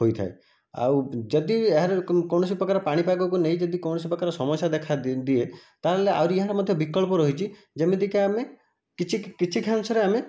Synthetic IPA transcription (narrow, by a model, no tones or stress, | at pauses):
ɦojt̪ʰa̰e | a̰wd͡ʒɔd̪ieɦaɾekɔwɳɔs̬ipɾɔkaɾɔpaɽ̃ipajbɔkunejd͡ʒɔd̪ikɔw̃ɔsipɾɔkaɾɔsɔmɔsjad̪ekʰad̪iet̪aeleawɾieɦaɾamɔd̪ʱjɔbikɔɭpɔɾɔɦit͡ʃʰi | d͡ʒemed̪ikeame | kit͡ʃʰikit͡ʃʰikʰansɔɾeame